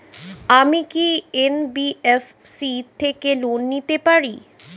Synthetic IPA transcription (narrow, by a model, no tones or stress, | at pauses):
amikienbief | sit̪ʰekelonːit̪epaɾi